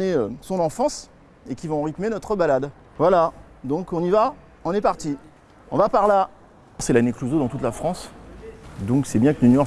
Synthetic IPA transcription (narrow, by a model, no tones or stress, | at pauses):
ɛøsɔ̃nɑ̃fɑ̃s | ekʲivɔ̃ːʁit̪menɔt̪χəbalad̪ | vwala | d̪ɔ̃kɔ̃niva | ɔ̃nɛpaʁt̪i | ɔ̃vapaʁla | sɛlanekluzod̪ɑ̃t̪ut̪lafχɑ̃s | d̪ɔ̃ksɛbjɛ̃kənynjɔ